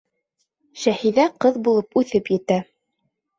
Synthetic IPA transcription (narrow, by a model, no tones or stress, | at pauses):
ʃæhiðæqɤðbulˠɤpʉθɘpjɘ̆t̪æ